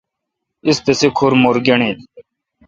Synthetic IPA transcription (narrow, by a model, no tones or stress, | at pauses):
ɪst̪esekʰoɾmoːɾɡeɳeːt̪